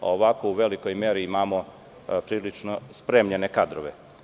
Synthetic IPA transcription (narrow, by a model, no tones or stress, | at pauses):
oʋakouʋe̞liko̞jme̞ɾiimaːmo̞ | pɾiːlit͡ʂnospɾemʎene̞kad̪ɾoʋḛ